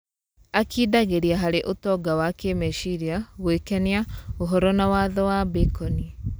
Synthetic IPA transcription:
akiːdaɣeɾiaɦaɾeʔotɔɡawakemeʃiɾiaɣwekɛniaoɦɔɾɔnawaðɔwabekɔni

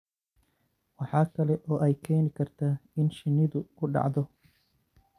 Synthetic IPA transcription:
wɑħɑːkʰɐlɛʔɔːʔɛjkʰɛːnɪkʰɐrt̪ʰaːɪnʃɪnɪðʊkʰʊɖɑ̰ʕðɔ

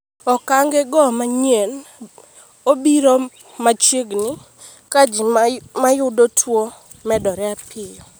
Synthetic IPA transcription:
ɔkaŋɡɛɡɔmaɲen | obiɾɔ | mat͡ʃeɡnɪ | kad͡ʒimajʊdotʰwo | mɛdɔɾɛapʰɪjɔ

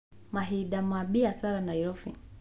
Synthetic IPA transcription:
maɦiɗamaɓiasaɾanaiɾɔfḭ

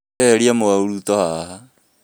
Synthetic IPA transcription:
ɛɾiamoauɾutɔhaha

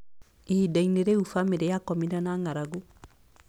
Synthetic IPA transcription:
iidaineɾeufamiɾejakɔmiɾanaŋaɾaɡo

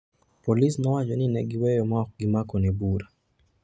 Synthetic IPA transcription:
polisnɔwat͡ʃɔnɪnɛɡɪwɛjɔmak̚ɡɪmakɔnɛbuɾa

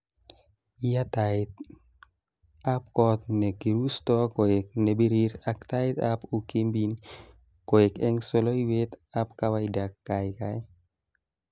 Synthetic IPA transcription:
ijat̪aɪt̪̚ | ap̚kɔt̪̚nɛkiɾust̪ɔkoek̚nebiɾiɾakt̪aɪt̪apukimbin | koekɛŋsoloiwet̪apkawaidakːajkaj

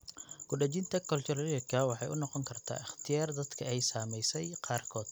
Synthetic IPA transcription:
ɡ̥ʊɖɐt͡ʃɪnt̪ʰɐkʰɐlt͡ʃʰʊɾɐljɐkʰɐwɑħɑjʊnɔqɔŋkʰɐrt̪ʰa̰ːɪχt̪ʰɪjaːrd̪ɐd̪kʰɐɛjsaːmɛjsɛjqɑːrkʰɔːd̪̥̚

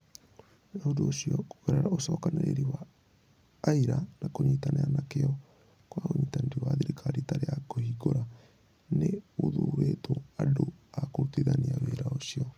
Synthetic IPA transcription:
aodoːsiɔkoweɾaɾaosɔːkaneɾḛɾiwaː | iɾanakoɲitaneanakeɔ | kwaɣoɲiːtaneɾiwaðiɾikʰaɾitaɾejakohiɡoɾa | neoðuːɾetoadoakoɾutiðaniaβeːɾaosiɔ

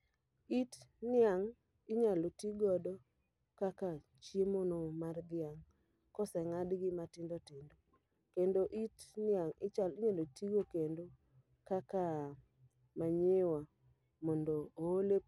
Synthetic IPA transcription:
itnɪaŋ | ɪɲalotiɡɔdɔ | kaka | t͡ʃjemonomard̪ɪaŋ | kɔsɛŋadɡɪmatɪndɔtɪndo | kendoʔitnɪaŋɪt͡ʃalɪɲalotiɡokendo | kaka | maɲewa | mɔndoːole

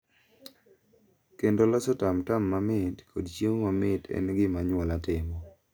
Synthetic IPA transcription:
kendolɔsɔtamtamːamɪtkʰodt͡ʃemamɪtɛ̰nɡɪmaɲwɔlatɪmɔ

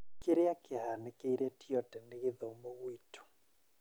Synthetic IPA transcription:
keɾeakehanekeiɾɛtiɔtɛneɣɪðɔmbɔɣwitu̥

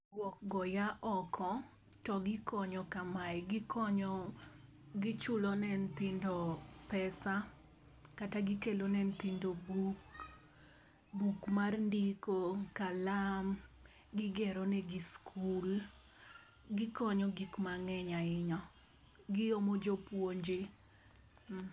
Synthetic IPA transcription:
wɔk̚ɡɔjaʔɔkʰɔ | tɔɡɪkɔɲɔkamajɡɪkʰɔɲɔ | ɡɪt͡ʃʊlɔnɛnt̪ɪndopɛsa | kataɡɪkelonɛnt̪indobuk | bukmarndikokalam | ɡɪɡɛɾɔnɛɡiskʰul | ɡɪkɔɲɔɡikmaŋɛɲaɪɲɔ | ɡɪomod͡ʒopwoɲd͡ʒɪ

